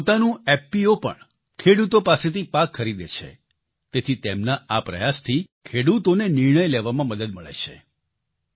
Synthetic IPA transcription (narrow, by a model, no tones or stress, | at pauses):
pot̪anũɛpːiopə̰ɳ | kʰeɽut̪opaset̪ʰipakʰːəɾid̪ḛt͡ʃʰḛ | t̪et̪ʰit̪emnaapɾə̰jast̪ʰikʰeɽut̪onenɪɾɳ̃əjleʋamãməd̪əd̪məɭḛt͡ʃʰḛ